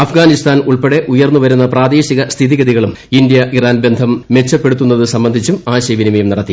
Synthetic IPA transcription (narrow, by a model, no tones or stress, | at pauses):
ɐfɡaːnist̪aːnuɭpeɽe̞ʔujɐrnːuʋɐɾunːɐpraːd̪eːɕiɣɐst̪ʰiðiɣɐðiɣɐɭum | ind̪jɐʔiraːnbe̞nd̪ʱɐmːe̞t͡ɕːɐpːe̞ɽut̪ːunːɐðɨsɐmbɐnd̪ʱit͡ɕːumaːɕeʋinimɐjumniɽɐt̪ːi